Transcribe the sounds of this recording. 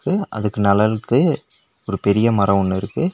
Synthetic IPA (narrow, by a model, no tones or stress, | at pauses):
kːɯɐ̰ðɯkːɯnɐlɐɾɯkːɯ | ɔɾɯpɛɾɪjɐmɐɾɐɔnːɪɾɯkːɯ